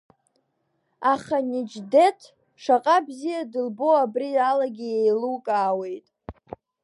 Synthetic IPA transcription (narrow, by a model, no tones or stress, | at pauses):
aχanid͡ʒde̞tʰ | ʂaqʼabzijadɨlbo̞abrialaɡʲiejlukʼaːwe̞jtʼ